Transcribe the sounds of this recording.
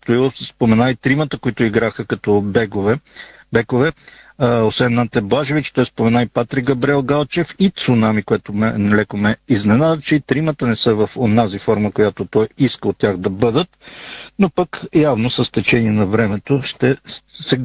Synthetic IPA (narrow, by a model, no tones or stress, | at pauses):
t̪oispomɛnait̪ɾimət̪əkoit̪ʊiɡɾaxəkɐt̪ɔbɛɡvɛbɛkovɛ | osvɛnːant̪ɛblˠaʒevit͡ʃt̪ɔjspomɛnaipat̪ɾiɡɡɐbɾiɛlˠɡalˠt͡ʃɛfit̪sʊnamikojɛt̪omɛnɛlɛkomɛiznɛnad̪ət͡ʃɛit̪ɾimət̪ənɛsɤvəfonazifɔɾməkojat̪ot̪ɔjiskəot̪ːʲjaɣd̪ɐbɤd̪ət̪nopəkjavnosəst̪ɛt͡ʃɛniɛnɐvɾɛmɛt̪oʃt̪ɛsɛ